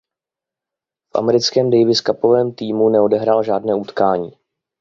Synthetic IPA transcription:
fʔa̰mɛɾɪt͡skɛːmdɛjvɪskapo̞vɛːmt̪iːmunɛo̞dɛɦɾaːlʒaːdnɛːut̪kaːɲiː

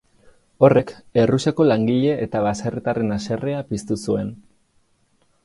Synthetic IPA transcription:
o̞re̞ke̞ruseko̞laŋɡiʎe̞ʔːt̪aβaserit̪are̞nase̞re̞apist̪usue̞n

